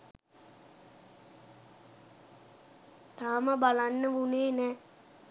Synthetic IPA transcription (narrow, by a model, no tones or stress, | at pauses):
t̪aːməbalanːəʋuneːnɛ